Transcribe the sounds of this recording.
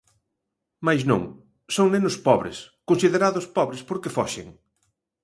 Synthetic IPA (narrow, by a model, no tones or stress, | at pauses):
majznõ̰ŋ | soŋnenʊspɔβɾɪ̰skonsiðeɾaðʊspɔβɾɪspoɾkefɔʃḛŋ